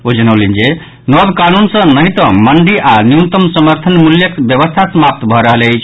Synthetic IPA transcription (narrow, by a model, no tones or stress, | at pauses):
od͡ʒənəwlind͡ʒe | nɔb̪kanunsə̃nəɦĩt̪ə̃məɳɖiʔanijut̪əmsəməɾt̪ʰənmuljəkbjəβəst̪ʰasəmap̚t̪bʱɔɾəɦələjt͡ʃʰ